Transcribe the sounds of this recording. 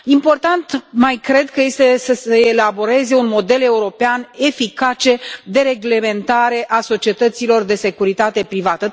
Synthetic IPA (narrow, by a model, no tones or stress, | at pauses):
impo̞rt̪ant̪majkɾe̞d̪kəje̞st̪e̞səseːlabo̞ɾe̞ze̞unmo̞d̪e̞le̞uɾo̞peane̞fikat͡ʃe̞d̪e̞ɾe̞ɡle̞me̞nt̪aɾe̞ʔaso̞t͡ʃie̞t̪ət̪silo̞rd̪e̞se̞kuɾit̪at̪e̞pɾivat̪ə